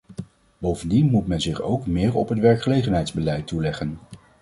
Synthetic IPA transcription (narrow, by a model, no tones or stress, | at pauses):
bowvəndinmutmɛnzɪχo̰wkmɪːɹɔpɦətʋɛɹkχəlejχənɦɛjdzbəlɛjtulɛχən